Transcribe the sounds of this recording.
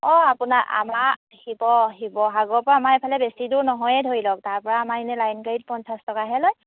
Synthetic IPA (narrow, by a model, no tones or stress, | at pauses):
ɔapunaʔa̰ma | hibɔɦibɔɦaɡɔɹpɔɹaːmaɛpʰalɛbesiduɹnɔɦɔjɛdʱoɹilɔk̚taɹpɔɹaːmainɛlajnkaɹit̚pɔnsastɔkaɦɛlɔj